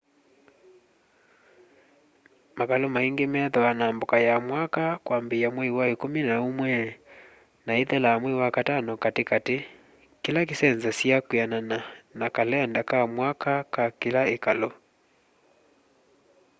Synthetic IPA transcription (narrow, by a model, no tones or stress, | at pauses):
makalomaiŋɡemɛðɔwanambokajamwakakwambeamwɛwaekominaomwɛ | naeðɛlamwewakatanɔkatekate | kelak̬esɛnzasjakwanananakalɛndakamwakakakelaekalo